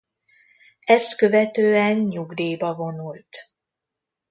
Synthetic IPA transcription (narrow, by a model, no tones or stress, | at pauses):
ɛst̪kø̞vɛt̪øːɛnɲuɡd̪eːbɒvo̞nult̪